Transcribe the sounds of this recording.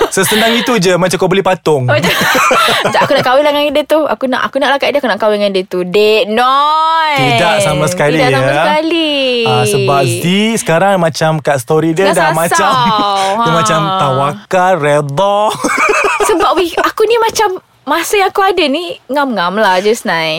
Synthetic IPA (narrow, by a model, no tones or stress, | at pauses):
səsəndaŋit̪ud͡ʒəmat͡ʃamkobəlipat̪ʊŋmaa | d͡ʒaʔakunaʔkawɪlaŋaŋidət̪ua̰kuna̰ʔakunaʔlahkaʔidiʔakunaʔkawɪŋadət̪udeʔnɔidaʔsamasəkalidaʔsamaskaliaəbasisə̥kaɾaŋmãt͡ʃamkaʔst̪oɾidiədalmãst͡ʃamumãt͡ʃamt̪awakaɾɛd̪ɔ | səbaʔwiakunimãt͡ʃamː | asajaŋakuadaniŋamŋamlahd͡ʒəsnãj